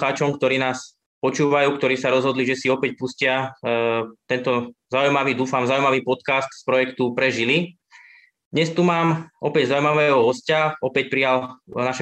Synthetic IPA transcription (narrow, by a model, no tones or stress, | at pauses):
xaːt͡ʃɔmkt̪ɔɾiːnaːs | pɔt͡ʃuːʋajuːkt̪ɔɾiːsaɾɔzɦɔd̪liʒɛsiɔpɛcpuscɪa | t̪ɛnt̪ɔzaʊujmaʋiːd̪uːfamzaʊujmaʋiːpɔt̪kast̪spɾɔjɛkt̪upɾɛʒili | d̪ɲɛst̪umaːmɔpɛɟzaujmaʋɛːɦɔɦɔscaɔpɛc̚pɾijalnaʃɛ